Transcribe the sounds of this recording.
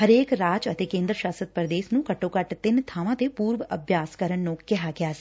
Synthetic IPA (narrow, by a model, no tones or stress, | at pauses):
ɦəɾeːkɾaːd͡ʒət̪eːkẽːnd̪ɾəʃaːsət̪̚pɾd̪eːsnũːkəʈːõːkəʈt̪ɪnt̪ʰaːʋãːt̪eːpuːɾʋəbʱjaːskəɾənnũkɪɦaːɡɪaːsi̥